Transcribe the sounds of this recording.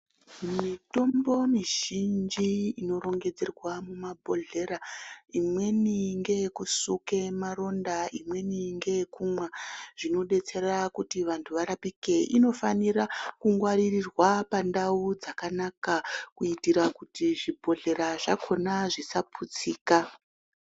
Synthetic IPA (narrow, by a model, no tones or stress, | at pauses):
mito̞mbo̞miʒind͡ʒiino̞ɾo̞ŋɡe̞d͡ze̞rwamumabʱo̞ɮe̞ɾaimwe̞niŋɡe̞kusuke̞maɾo̞ndaimwe̞niŋɡe̞kumwaʐ̥ino̞ɗe̞t͡se̞rakutiʋantʰuʋaɾapike̞ʔino̞faniɾakuŋɡwaɾirirwapandaud͡zakanakakuitiɾakutiʐibʱo̞ɮe̞ɾaʐakʰo̞naʐisapʰut͡siːka